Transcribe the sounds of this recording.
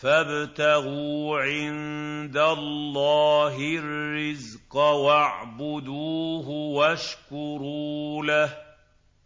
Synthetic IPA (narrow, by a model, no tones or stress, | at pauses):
fabt̪aɣuːʕɪnd̪allːaːɦɪrːɪzqɑwaʕbʊd̪uːɦʊwaʃkʊɾuːlah